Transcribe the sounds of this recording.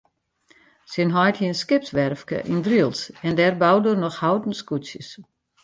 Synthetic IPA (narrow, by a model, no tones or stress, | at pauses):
sɪnɦɔjthiənskɪp̚sʋɛrfkə̰ʔindriəlˠsɛndɛrbawdərnɔxhawdn̩skusjəs